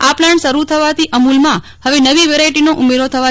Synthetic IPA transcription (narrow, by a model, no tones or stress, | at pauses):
aplaɳʈsəɾut̪ʰəʋat̪ʰiʔəmulmã | həʋenəʋiʋeɾaiʈinoʔumeɾot̪ʰəʋa